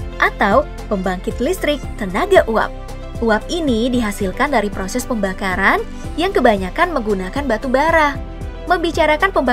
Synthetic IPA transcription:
ʔat̪aw | pəmbaŋkɪt̪list̪ɾɪk̚t̪ənaɡaʔua̰p̚ | ʔuap̚inidiɦasilkandaɾipɾosɛspəmbakaɾan | jaŋkəbaɲakanməŋɡunakanbat̪ubaɾah | məmbit͡ʃaɾakanpəmba

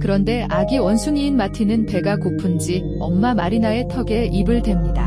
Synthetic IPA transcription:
kɯɾʌnde̞aɡiwʌnsʰuŋiːnmatʰinɯnpe̞ɡakopʰund͡ʑi | ʌmːamaɾinae̞tʰʌɡe̞ʔibɯɭdwe̞mɲida

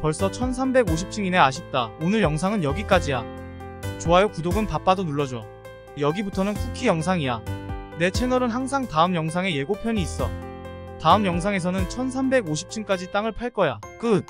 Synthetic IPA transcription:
pʌɭs͈ʌt͡ɕʰʌns̬ʰambe̞ɡoɕ̬ʰip̚t͡ɕ͈ʰiŋine̞aɕʰip̚t͈aonɯɭjʌŋs̬ʰaŋɯnjʌɡik͈ad͡ʑija | t͡ɕoajokudoɡɯnpap͈adonuɭːʌd͡ʑo | jʌɡibutʰʌnɯnkʰukʰijʌŋsʰaŋijane̞t͡ɕʰe̞nʌɾɯnɦaŋs̬ʰaŋtaɯmjʌŋs̬ʰaŋe̞je̞ɡopʰjʌɲiːs͈ʌ | taɯmjʌŋs̬ʰaŋe̞s̬ʰʌnɯnt͡ɕʰʌnsʰambe̞ɡoɕʰi̥p̚t͡ɕʰink͈ad͡ʑit͈aŋɯɭpʰaɭk͈ʌja | k͈ɯn

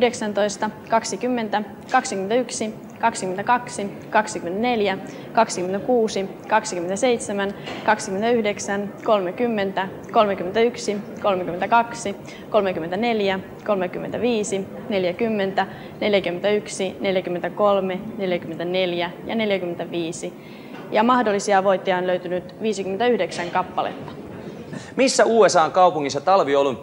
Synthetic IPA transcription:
ydeksænt̪o̞ist̪ɑkɑksikymːe̞nt̪æ | kɑksikymet̪yksi | kɑksikyment̪ækɑksi | kɑksikyment̪æne̞ljæ | kɑksikyment̪ækuːsi | kɑksikyment̪æseijt̪semænkɑksi̥kyment̪æyhdeksænko̞lmekymːe̞nt̪æ | ko̞lmekyment̪æyksiko̞lmek̟yment̪ækɑksi | ko̞lmek̟yment̪æne̞ljæ | ko̞lmek̟ymːent̪æʋiːsi | ne̞ljækymːe̞nt̪æ | ne̞ljækymːet̪æyksine̞ljækymːent̪æko̞lme̞ne̞ljækymːent̪æne̞ljæjɑ̰ne̞ljækymːent̪æʋiːsi | jɑmɑhdolːisiɑʋo̞jt̪ːiɑonløɥt̪ynyt̪ʋiːsikyment̪yhdeksæŋkɑpːɑlḛt̪ːɑ̥ | misːæuːesɑːŋkɑupuŋːisːɑt̪ɑlʋiolːun

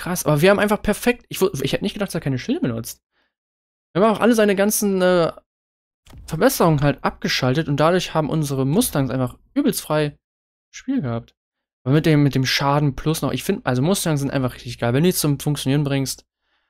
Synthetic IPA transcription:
kʁ̥asʔaːbɐviːɐaːmʔaɪnfaχpʰɛɐfɛk̚tɪçv̥ʊɪ̰çhɛtənɪçtɡ̥ədaχtd̥asːɐkaɪnəʃɪlməbənʊt͡st̚ | viɐam̩aɪfχʔa̰ləzaɪnəɡant͡sn̩ʔɛː | fɛɐbɛsəʁʊŋənɦaltʔap̚ɡ̥əʃaltətʊnt̚d̥adʊːɐçhaːbm̩ʔʊnzəʁəmʊstaŋsʔaɪnfaχʔyːbl̩sfʁ̥aɪ | ʃpiːlɡəhap̚t | ʔaːbɐmɪt̚d̥eːmːɪt̚d̥eːmʃaːdn̩pʰl̥ʊsnɔχʔɪ̰çfɪndəʔalzomʊstaŋz̥ɪntʔaɪfaχʁ̥ɪçtɪçɡ̥aɪlvɛnduːjɛt͡st͡sʊmfʊŋk̚t͡sjoniːʁənbʁɪŋst

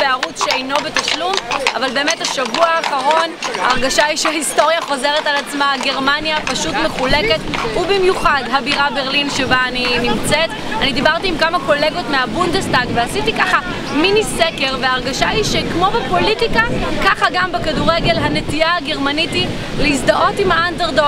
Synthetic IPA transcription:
peaʁutʃeejno̞be̞taʃluma̰valbe̞ːmethaʃavuaːχaʁo̞nhaːʁɡaʃaiʃeahisto̞ʁjaχo̞ze̞ʁetalat͡smaɡe̞ʁmanjapaʃutme̞χule̞ke̞tubimjuχadɦabiʁabeʁlinʃebaːninimt͡set | anid̪ibaʁtiːmkamako̞le̞ɡo̞tmeabundestaɡveasitikaχa | miniseke̞ʁveaːʁɡaʃaiʃekmo̞bepo̞litikakaχaɡambekaduʁeɡe̞lɦane̞tijaaɡe̞ʁmaniti | leisdaʔo̞timhaandeʁdo

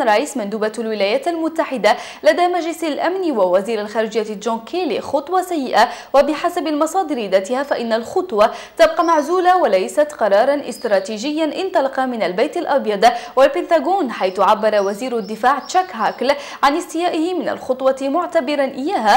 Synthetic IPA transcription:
ɾˤɑʔiːsmand̪uːbalwɪlaːjaːt̪almʊt̪ːaħɪd̪a | lad̪aːmad͡ʒlɪsalʔamnwawaziːɾalxaːɾɪʒɪjːaʒoːkʰeːlixʊt̪ˤwɑsajːɪʔawabɪħasabalmɑsˤɑːd̪ɪɾid̪at̪ɪhaːfaʔɪnːalxʊt̪ˤwɑ | t̪ab̚qɑmaʕzuːlawalajsat̪qɑɾˤɑːɾˤɑnʔɪ̰st̪ɾˤɑːt̪iːʒɪjːanʔɪnt̪ˤɑlɑqɑmɪnalbajt̪alʔɑbjɑd̪ˤwalpɪnt̪aɡoːnħajθʊʕabːɑɾˤɑwaziːɾad̪ːɪfaːʕt͡ʃakhaːkl | ʕanʔɪst̪ɪjaːʔɪhɪmɪna̰lxʊt̪ˤwɑmʊʕt̪abɪɾanʔɪjːaːɦa

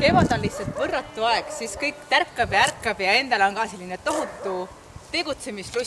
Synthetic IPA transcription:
t̪e̞mɑd̪̥o̞nliht̪sɑlt̪ˑvɤrːɑt̪ːˑuɑeɡ̥siskɤjkt̪ærkːɑb̥jɑærkːɑb̥jɑe̞nd̪ɑlo̞nkɑːse̞lːinet̪o̞ɦut̪ːˑu | t̪e̞ɡ̥ut̪se̞mislu

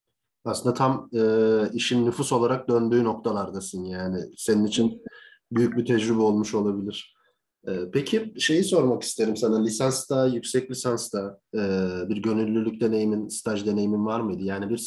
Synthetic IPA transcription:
asɯnd̪at̪ʰamɯːiʃinːyfuso̞lˠaɾak̚d̪ø̞nd̪yːno̞k̚t̪ʰalˠaɾd̪asɯnjaːnɪse̞ninit͡ʃʰin | byjyc̚bit̪ʰɛd͡ʒɾybɛo̞lˠmuʃo̞lˠabilʲiɾ̥ | ɛːpʰecʰiʃe̞jiso̞ɾmaki̥st̪ʰeɾimsananlʲisanst̪ʰajycsɛclʲisanst̪ʰaɯːbiɾɟø̞nylʲːylʲyc̚d̪e̞ne̞jiminst̪ʰaʒd̪e̞ne̞jiminvaɾmɯjd̪ɯjaːnibiɾ

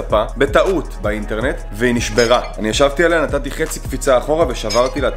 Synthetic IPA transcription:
apabe̞taʔut̪bainte̞ʁne̞t̪ | veiniʃbe̞ʁaanijaʃavt̪ialejanatat̪iχe̞t͡sikfit͡saːχo̞ʁaveʃavaʁt̪ilea

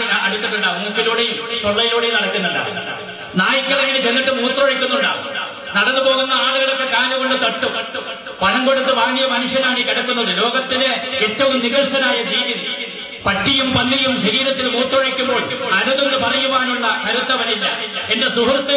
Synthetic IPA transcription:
iɐɽit̪ːiʈːuɳɖaːʋunukːiluːɽet̪oɭːɐjiluːɽejnɐɽɐkʲːunːulːɐ̰ | naːjikʲːɐɭɐjiɽit͡ɕenːiʈːɨmuːt̪roɻɐkʲːunːuɳɖa̰ːʋ | nɐɽɐnːɨpo̞ːɣunːɐaːɭuɣɐɭokːekaːnuɣo̞ɳɖɨt̪ɐʈːum | pɐɳɐŋɡoɽɐt̪ːɨʋaːŋɡijɐmɐnuʂjɐnaːɳikiɽɐkːun̪ːɐðɨlo̞ːɡɐt̪ːileetːɐʋumniɣɐlʂɐnaːjɐd͡ʑiːʋiði | pɐʈːijumpɐnːijumɕɐɾiːɾɐt̪ːilmuːt̪roɻɐkʲːumbo̞ːɭɐnɐðunːɨpɐrɐjumaːɳuɭːɐkɐɾut̪ːɐʋɐnilːɐende̞suɦurt̪ːɐ

